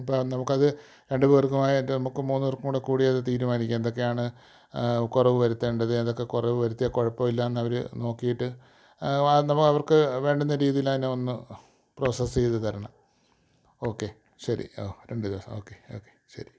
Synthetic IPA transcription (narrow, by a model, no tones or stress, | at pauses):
ipːonɐmukːɐðɨ | ɾe̞ɳɖɨʋeːrkːumaːjiʈːɨnɐmukːɨmuːnːɨʋerkumuːɽekuːɽiɐðɨt̪iːɾumaːnikʲːuend̪o̞k̬ːe̞jaːɳɨ | kurɐʋɨʋɐɾut̪ːeɳɖɐðɨend̪o̞kːekurɐʋɨʋɐɾut̪ːijɐkoɻɐpːɐmilːɐenːɨɐʋɐɾɨ̰no̞ːkːijiʈːɨ | nɐmukːɐʋɐrkɨʋe̞ːɳɖunːɐɾiːðijilɐðineonːɨ | pro̞ːsɐst͡ɕejt̪ːɨt̪ʰɐɾɐɳɐ̰m | o̞ːkːe̞ | ɕɐɾḭo̰ːɾe̞ɳɖɨðiʋɐsɐ̰moːkːeo̞̰ːkːeɕɐ̰ɾi